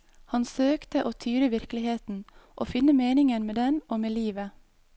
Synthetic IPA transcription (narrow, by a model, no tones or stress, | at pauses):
hɑnsøːkt̪əʔoːt̪ʰyːɾəʋɪɾklɪheːt̪n̩ʔo̰ːfɪnəmeːnɪŋənmeːd̪ɛnoːmeːliːʋə